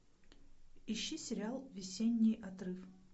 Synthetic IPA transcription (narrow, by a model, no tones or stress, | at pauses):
iɕːisʲɪɾʲɪalˠvʲɪsʲenʲːɪjʔɐt̪ɾɨf